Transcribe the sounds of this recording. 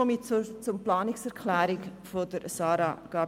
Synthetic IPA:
ɔmit͡sʊmplɑːnɪksɛɾkʰlæːɾɪkfod̥əɾsɑːɾɑɡ̥ɑː

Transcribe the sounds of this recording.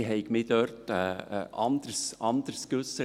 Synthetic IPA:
ɦɛɪɡmɪːd̥ørtɛʔɑnd̪̥ərsɑnd̪əɾskʋɵsːə

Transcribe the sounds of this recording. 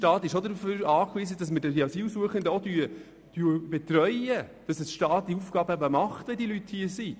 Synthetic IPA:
ʃtɑːt̪ɪʃodəɾuføɾɑːkʋiːsədɑsmədədiɑsiːlsuəχɪŋd̪əodyː | d̥yːb̥ɛt̪ɾœʏəd̥ɑsəsʃtɑːt̪̚d̥iufɡ̥ɑːbəæbəmɑχtʋɛdiəlythiəsi

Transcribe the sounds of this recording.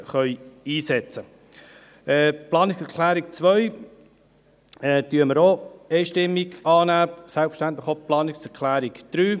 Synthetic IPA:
χœʏiːsɛt͡sə | ɛːplɑːnɪksɛɾkʰlæːɾik̚t͡sʋœj | ɛːtyːəməɾoɛɪʃtɪmːiɡɑːnæːsælpfə̥ʃtænt̪ləχoplɑːnɪksɛɾkʰlæːɾikd̥ɾyː

